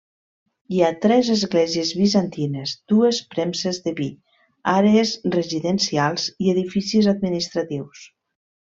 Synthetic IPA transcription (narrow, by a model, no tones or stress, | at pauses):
iat̪ɾɛzəzɣlɛziezβizant̪inezd̪̥uespɾɛmsezðəβi | aɾeezreziðənsialˠz̥ieðifisizad̪̚minist̪ɾat̪iws